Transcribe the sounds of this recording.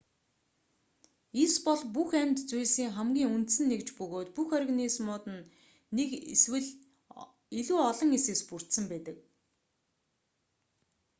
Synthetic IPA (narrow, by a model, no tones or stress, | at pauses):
eispɔɮpuxæmʲt̪t͡sujɮsiːŋχæmɡʲiːŋunt̪sɘ̆nːekt͡ɕpɵɣoːt̪puxɔrɣnismʊːt̪ɘ̆nː | ekeswɘ̆ɮ | iɮuːɔɮɞ̆ŋesɘ̆kspur̥t̪sə̆mpæːt̪ə̆k̚